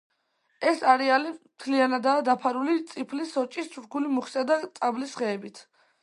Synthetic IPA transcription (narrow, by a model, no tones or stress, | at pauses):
ɛsaɾɛalimt̪ʰlianad̪aːd̪apʰaɾulit̪sʼipʰlisɔt͡ʃʼist͡ʃʰuɾkʰulimuχisad̪at̪sʼablisʁɛːbit̪ʰ